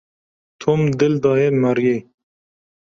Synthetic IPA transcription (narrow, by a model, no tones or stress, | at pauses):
t̪ʰumd̪ɪld̪ɑːjemaɾje